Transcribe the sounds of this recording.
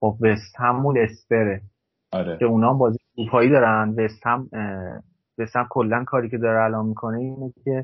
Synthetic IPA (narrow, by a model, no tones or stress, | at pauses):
xobvest̪hæmːune̞speɾe | ɔɾecʰe̞unɒːmbɒːzijɡuːpʰɒːiːd̪ɒːɾænve̞st̪hæm | ve̞st̪hæmkʰo̞lːænkʰɒːɾiːcʰe̞d̪ɒːɾeælɒːmmikʰo̞neiːneɟecʰe̞